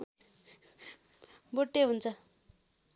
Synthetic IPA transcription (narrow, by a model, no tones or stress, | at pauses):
boʈːeɦunt͡sʰʌ